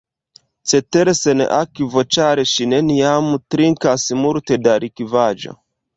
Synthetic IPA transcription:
t͡seteɾesenʔakivo̞t͡ʃaɾeʃineniamtɾiŋkasmulte̞daɾʔikivad͡ʒo̰

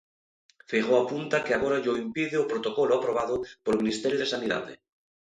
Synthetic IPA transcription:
fiɣoapunt̪akeaɣ̞oɾaʎoimpiðeopɾot̪okoloapɾoβ̞aðopolmĩnist̪eɾjoðesaniða̰ðḛ

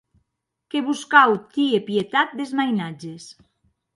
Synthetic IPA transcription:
keβuskawt̪iepjet̪at̪̚d̪ezmajnad͡ʒes

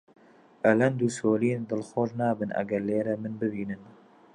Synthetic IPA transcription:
ʔɐlɛnd̪uːsoːliend̪ɨlxoːɾnaːbɨnʔɐ̰ɡɐɾleːɾɛmɨnbɨbiːnɨn

